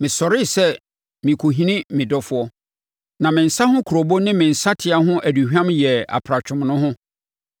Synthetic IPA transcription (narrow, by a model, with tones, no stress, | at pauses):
mɪ̃˨sɔ˨ɾɪ˦˨sɛ˦ | mĩ˨kʰo˨ɦĩ˦nɪ̃˦mɪ̃˨dɔ˦fʊ˦ɔ˦ | nã˨mɪ̃˨n̩˨sa˦hʊ̃˦kʰu˨ɾo˨bo˦nɪ̃˦mɪ̃˨n̩˨sa˦tʰɪ˨a˦ɦʊ̃˦ʔæ˨du˨hᶣã˦mjɛ˨a̰˨pʰɾa˨t͡ɕᶣʰʊ̃˨mnʊ̃˦ɦʊ̃˦